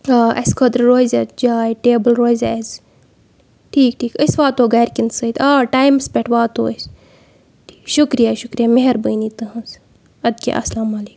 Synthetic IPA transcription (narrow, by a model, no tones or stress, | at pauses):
ʔɐ̰skʰəd̪ɾɾoːized͡ʒaːjʈeːbəlɾoːizḛz | ʈʰiːk̚ʈʰiːkəsʋaːt̪oːɡɐːɾkinsəit̪ʰaːʈaːjmspʲeʈʰʋaːt̪o̰ːəs | ʈʰi̥ːʃukɾijaʃʊkɾijameɦɐɾbəːniːt̪ɨɦɐ̃z | ɐd̪kḛʔɐ̰slaːmaːliːk